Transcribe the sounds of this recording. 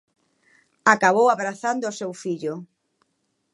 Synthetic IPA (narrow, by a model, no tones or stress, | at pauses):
akaβowaβɾaθand̪ʊːsewfiʎʊ